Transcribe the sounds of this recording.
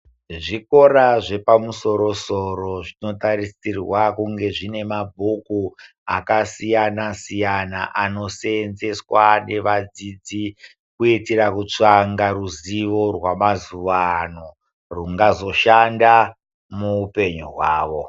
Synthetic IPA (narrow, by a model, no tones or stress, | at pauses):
ʐiko̞ɾaʐe̞pamuso̞ɾo̞soɾo̞ʐino̞tarisirwakuŋɡe̞ʐine̞mabʱuku | a̰kasijanasijana̰ʔano̞senze̞swane̞ʋad͡zid͡zi | kuitirakut͡ʂaŋɡaruziʋo̞rwamazuʋano̞ | ruŋɡazo̞ʃanda | muːpe̞ɲuɦwaːʋo̞